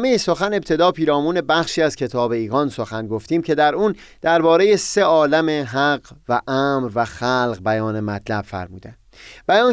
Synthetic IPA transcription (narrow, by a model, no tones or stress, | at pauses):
mejeso̞xæne̞b̚t̪ʰe̞d̪ɒːpʰiːɾɒːmuːne̞bæxʃiːæz̥kʰe̞t̪ʰɒːbe̞iːɣɒːnso̞xænɡo̞ft̪iːmcʰe̞d̪æɾuːn | d̪̥æɾbɒːɾe̞jese̞ɒːlæmeɦæɢvæʔæmɾvæxælʁbæjɒːne̞mæt̪ʰlæb̥fæ̰ɾmuːd̪æn | b̥æjɒːn